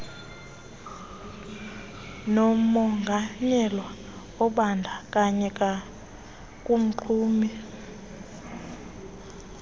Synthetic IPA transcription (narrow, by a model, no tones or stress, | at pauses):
nɔmɔŋɡʱaɲɛlwa | ɔɓandʱakʼaɲɛk̬ʼa | kʼum̩ǃʰuːmi